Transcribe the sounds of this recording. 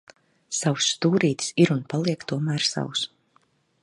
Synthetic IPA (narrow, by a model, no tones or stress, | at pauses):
sawusːt̪uːɾiːt̪i̥siɾunpalˠiɛkt̪uɔmæːɾsa̰wus